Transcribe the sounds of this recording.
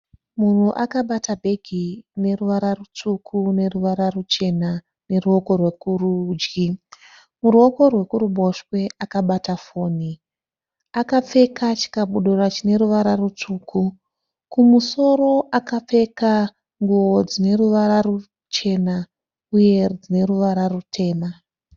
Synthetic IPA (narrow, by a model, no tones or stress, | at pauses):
mun̤uʔakaɓatabʱe̞ɡʱine̞ruʋaɾarut͡ʂukʰune̞ruʋaɾarut͡ʃe̞na | ne̞ruo̞ko̞rwe̞kurud͡ʒɡi | muruo̞ko̞rwe̞kuɾuɓo̞ʃwe̞akaɓatafo̞ːni | akap͡fe̞kat͡ʃi̥kaɓuɗorat͡ʃine̞ɾuʋaɾarut͡ʂuːkʰu | kumuso̞ɾo̞ʔakap͡fe̞ka | ŋɡuwo̞d͡zine̞ɾuʋaɾaru | t͡ʃe̞na | uje̞d͡zine̞ɾuʋaɾarutʰe̞ːma